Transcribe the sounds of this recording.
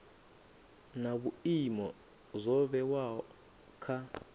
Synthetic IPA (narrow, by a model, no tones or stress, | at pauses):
naɓuimɔ | zɔɓɛwa | kʰa